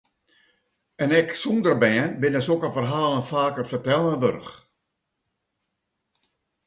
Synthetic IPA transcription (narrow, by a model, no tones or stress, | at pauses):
ɛnɛksundərbɛənbɪnəsokəfərɦaːlˠənfaːkəfərtɛlˠəʋørx